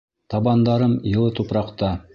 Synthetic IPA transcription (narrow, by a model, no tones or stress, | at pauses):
t̪ɑbɑnd̪ɑɾɤmjɤ̆lˠɤt̪upɾɑqt̪ɑ